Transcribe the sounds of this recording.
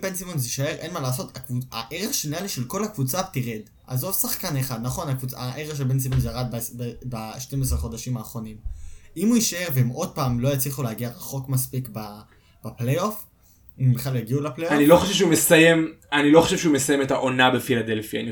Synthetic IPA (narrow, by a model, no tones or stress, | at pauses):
bensimonziʃae̞ʁʔenmalaːs̬o̞takvuaʔeʁeχʃenialiʃelko̞lakvut͡satiʁed | ʔa̰zo̞vsaχkaneχad̪naχo̞nakvut͡saaʔeʁeʁʃ̬elbens̬ilmonzaʁad̪̚bsbebaʃte̞mes̬ʁeχo̞daʃimaːχʁo̞nimimuiʃae̞ʁveemʔo̞d̚paːmlo̞jat͡sliχuleːɡiaʁaχo̞kmaspikba | b̥aplejof | imbeχaljaɡiuleplejanilo̞χoʃevʃeumesajemanilo̞χoʃevʃeumesajemetaʔo̞nabefilad̪e̞lfia̰ːni